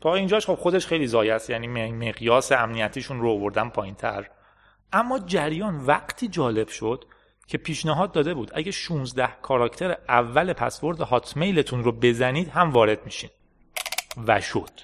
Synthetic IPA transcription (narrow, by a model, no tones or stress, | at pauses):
t̪ʰɒːind͡ʒɒːʃχo̞b̥xo̞d̪eʃχe̞jliːzɒːjæst̪jæniːmmeɣjɒːseæmnijæt̪ʰiːʃunɾoːvo̞ɾd̪ænpʰɒːjint̪ʰæ̰ɾ | ʔæmːɒːd͡ʒæɾjɒːnvæqt̪ʰiːd͡ʒɒːle̞b̥ʃo̞d̪̥ | cʰe̞pʰiːʃnæɦɒːd̪ːɒːd̪e̞buːd̪ʔæɟæʃũːnzd̪æhkʰɒːɾɒːcʰt̪ʰe̞ɾeʔævːælepʰæ̰sbo̞ɾd̪ehɒːt̪ʰme̞jlet̪ʰunɾobe̞zæniːd̪̥ɦæmvɒːɾe̞d̪̚miʃid̪ | væ̰ʃo̞̰d̪̥